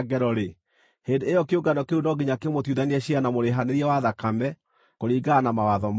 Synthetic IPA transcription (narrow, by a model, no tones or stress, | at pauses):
ɡɛɾɔɾe | heːndeejɔkeoɡanɔkeunɔɡiɲakemotjuðaniɛɕianamoɾeɦaneɾiɛwaðakamɛ | koɾiːɡaːnamawaðɔm